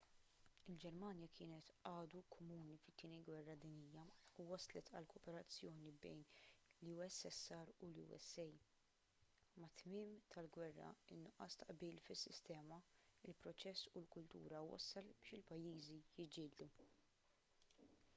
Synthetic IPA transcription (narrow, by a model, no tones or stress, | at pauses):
ɪld͡ʒɛɾmɐːnjɐkʰɪːnɛt̪ɐːd̪ukʰɔmuːnifɪt̪ːiːniɡwɛrːɐd̪inijːɐuwɐslɛt̪ʰɐ̰lkʰɔːpɛɾɐt͡sːjɔːnibɛ̰jnluːɛsːɛsːɐɾulṵːɛ̰sːɛj | mɐt̪mɪːmt̪ʰɐlɡwɛrːɐ̰ɪnːʊʔɐ̰st̪ɐʔbiːlfɪsːɪst̪ɛːmɐɪlpɾɔt͡ʃɛsːulkʊlt̪ṵːɾɐwɐ̰sːɐlb̥ɪːʃɪlpɐjːiːzijɪd͡ʒɪːd̪d̪u